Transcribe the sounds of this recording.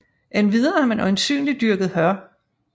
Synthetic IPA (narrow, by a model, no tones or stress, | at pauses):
ʔenʋið̞ˠɐhɑmenɒ̽ɪnsy̰ːnlid̥yɐɡ̥ð̞̩ˠhɶɐ